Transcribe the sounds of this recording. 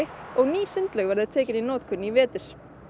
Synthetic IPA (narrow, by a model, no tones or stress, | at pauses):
ɪɔɣniːsʏnt̪lɛɣvɛɾðɪt̪ʰɛːcɪninɔːt̪kʰʏnːivɛːt̪ʏɾ̥